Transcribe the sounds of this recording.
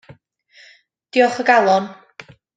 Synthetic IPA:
d̥iɔχəɡalˠɔn

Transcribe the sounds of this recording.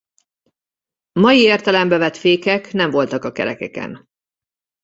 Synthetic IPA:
mɒjieːrt̪ɛlɛmbɛvɛt̪feːkɛknɛɱvo̞lt̪ɒkɒkɛ̰ɾɛkɛkɛ̰n

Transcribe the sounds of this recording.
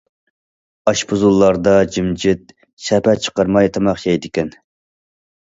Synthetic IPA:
ɑʃpuzulˠːɑɾd̪ɑd͡ʒimd͡ʒɪt̪̚ | ʃɛpæt͡ʃʰə̥qɑɾmɑjt̪ʰɑmɑχʃɛjd̪ɪkʲɛn

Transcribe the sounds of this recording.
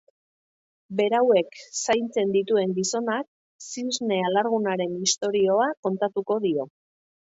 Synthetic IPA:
be̞ɾawe̞ksajnt͡se̞nd̪it̪ue̞ŋɡiso̞nak̚ | sizne̞alaɾɣunaɾe̞nist̪o̞ɾio̞ako̞nt̪at̪uko̞ðio̞

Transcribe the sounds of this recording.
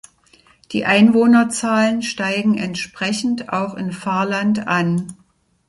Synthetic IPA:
d̥ḭːʔaɪnvoːnɐt͡saːlənʃtaɪɡŋ̩ʔɛntʃpʁ̥ɛçn̩ta̰ʊxɪnfaːɐlantan

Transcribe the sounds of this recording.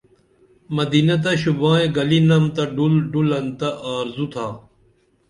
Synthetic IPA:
mɐd̪iːnɐt̪̬ɐɕubãːẽɡɐlinɐmt̪ɐɖulɖulɐnt̪ɐʔaːɾzut̪ʰaː

